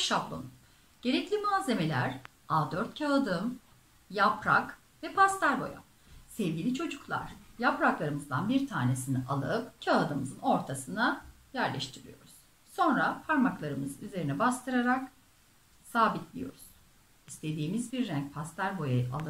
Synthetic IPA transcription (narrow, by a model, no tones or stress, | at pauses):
ʃablˠṵn | ɟ̥e̞ɾɛclʲimaːze̞me̞lʲæ̰ɾ̥ | aːd̪øɾt̪cʰaad̪ɯm | japɾa̰k | vɛpʰast̪aɾbo̞̰ja̰ | sɛvɟʲilʲit͡ʃʰo̞d͡ʒuklˠa̰ɾ̥japɾaklˠaɾɯmɯzd̪anbiɾt̪ʰaːne̞siniʔalˠɯ̰pcʰaad̪ɯmɯzɯno̞ɾt̪ʰasɯna | jæɾlʲʔɛ̰ʃt̪ʰiɾḭjo̞̰ɾuz̥ | so̞nɾapʰaɾmaklˠaɾɯmɯzyze̞ɾinɛbast̪ʰɯɾaɾak | saːbit̪ʰlʲijo̞̰ɾuz̥ | ist̪ʰe̞d̪iːmizbiɾːæɲc̚pʰast̪ʰæɾbo̞jaa̰lˠɯ